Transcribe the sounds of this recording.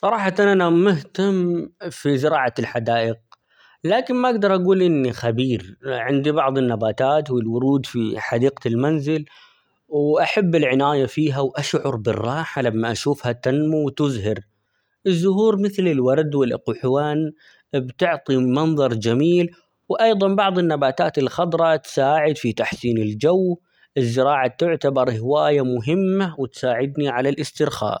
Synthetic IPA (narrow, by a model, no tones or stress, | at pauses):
sˤɑɾˤɑːħɑʔanʔanamʊɦt̪amːfizɪɾɑːʕalħad̪aːʔɪq̚ | laːkɪnmaʔaɡd̪ɑɾˤʔaɡuːlʔɪnːixabiːɾʕɪnd̪ibɑʕðˤɪnːabaːt̪aːt̪wɪlwʊɾuːd̪fiħad̪iːqalmanzɪl | wʔaħabːɪlʕɪnaːjafiːɦawʔaʃʕʊɾˤbɪrˤːɑːħalamːaʔaʃuːfhat̪anmuwt̪ʊzhɪɾ | ʔɪzːʊɦuːɾmɪθlɪlwɑɾˤd̪wɪlʔqʊħwaːn | bt̪ɪʕt̪ˤimɑnðˤɑɾˤd͡ʒamiːl | wʔɑjðˤɑnbɑʕðˤɪnːabaːt̪aːt̪ɪlxɑd̪ˤɾˤɑt̪saːʕɪd̪fit̪aħsiːnɪld͡ʒaw | ʔɪzːɪɾɑːʕat̪ʊʕt̪abɑɾˤhɪwaːjamʊɦɪmːawɪt̪saːʕɪd̪niʕalalʔɪst̪ɪɾxa̰ːʔ